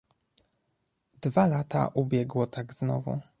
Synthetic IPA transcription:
d̪valat̪a̰ʔubʲjɛɡwɔt̪aɡznɔ̰vṵ

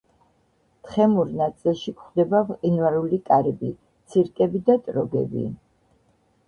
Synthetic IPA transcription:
t̪ʰχɛmuɾnat̪sʼilˠʃikχd̪ɛbavqʼinvaɾulikʼaɾɛbi | t̪sʰiɾkʼɛbid̪at̪ʼɾɔɡɛ̰bḭ

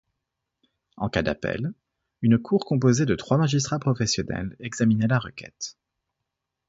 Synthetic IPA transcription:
ɑ̰̃kad̪a̰pɛ̰l | ynkʰuʁkɔ̃p̬ozed̪ət̪χwamaʒis̬t̪χapχɔfɛsjɔnɛ̰lɛɡzaminɛlaʁəkʲɛ̰t̪

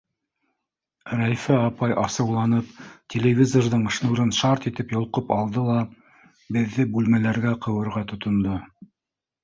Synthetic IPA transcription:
ɾæjfæɑpɑjʔɑsɤ̆wlˠɑnɤp̚tʲelʲevʲizorðɤɴɤ̆ʃnuɾɤnʃɑɾt̪it̪ɘpjŏlˠqɤpɑlˠd̪ɤlˠɑ | bɘ̆ðːɘbʉlmælæɾɡæqɤ̆wɤ̆ɾʁɑt̪ŏt̪ŏnd̪o

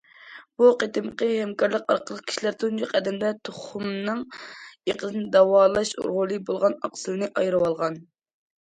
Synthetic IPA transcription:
b̥uqet̪ɨmqəhɛmkʰɑɾlˠəqɑ̰ɾqʰəlˠəq̚kʲʰi̥ʃilæɾt̪ʰund͡ʒoqʰɛd̪ɛmd̪ɛt̪ʰoχumnɨŋeqəzɨnɨd̪ɑwɑːlˠɑʃṵɾʁʊlˠɨbolˠʁɑnɑ̰qsɨlˠɨnɨʔɑjɾɨwɑlˠʁɑn

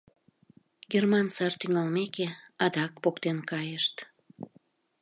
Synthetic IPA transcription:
ɡermɑnsɑrt̪yŋɑlmekeɑd̪ɑkpokt̪enkɑjəʃt̪

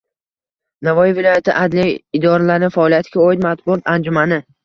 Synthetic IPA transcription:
navɒjivɪlɒjat̪ʰɪ̰ʔad̪lijɪd̪ɒɾalaɾnɪfaɒlijat̪ʰɪɡʲaoɪd̪mat̪̚bʊɒt̪and͡ʒʊmanɪ

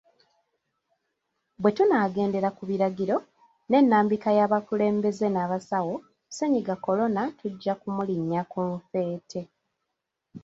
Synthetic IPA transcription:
βwe̞tunaːɡe̞ːnde̞ɾakuβiɾaɡiɾo̞ | ne̞nːaːmbikajaːβakule̞ːmbe̞ze̞naːβasawo̞ | se̞ɲiɡako̞lo̞natʰuɟːakumuliɲːakuɱfe̞ːtʰe̞

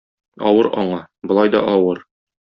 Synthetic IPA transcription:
ɒwɤɾʔɒ̰ɴɑbŏlˠɑjd̪ɒ̰ʔɒwɤɾ

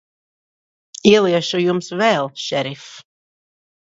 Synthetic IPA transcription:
iɛlˠiɛʃujumsvɛlˠʃɛɾif

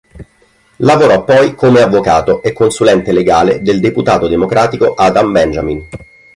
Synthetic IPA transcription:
lavoɾɔpːɔjkomeavːokaːt̪oʔekːonsulɛnt̪eleɡaːled̪eld̪eput̪aːt̪od̪emokɾaːt̪ikoʔaːd̪ambɛnd͡ʒamin

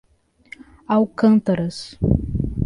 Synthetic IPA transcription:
awkɐ̃nt̪ɐɾɐs

